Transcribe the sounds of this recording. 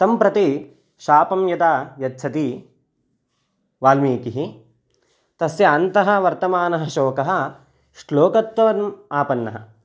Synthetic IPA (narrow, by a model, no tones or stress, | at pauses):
t̪ɐmpɾɐt̪i | ʃaːpɐmjɐt̪aːjɐt̪̚ːt͡ʃʰɐt̪i | ʋaːlmiːkiɦi | t̪ɐsjɐːnt̪ɐɦɐ̆ʋɐɾt̪ɐmaːnɐɦɐʃoːkɐɦɐ̆ | ʃloːkɐt̪ʋɐʋɐmaːpɐnːɐ̰ɦɐ̰